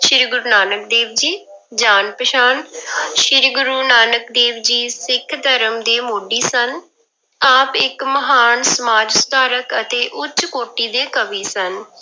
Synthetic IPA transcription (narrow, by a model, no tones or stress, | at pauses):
ʃɪɾɡʊɾuːnaːnək̚d̪eːʋd͡ʒiː | d͡ʒaːnpəʃaːnʃɪɾɡʊɾuːnaːnəkd̪eːʋd͡ʒiːsɪkʰd̪ʱəɾəmd̪eːmoːɖiːsən | aːpɪkməɦaːnsəmaːd͡ʒst̪aːɾəkət̪eːʔʊt͡ʃkoːʈiːd̪eːkəʋiːsən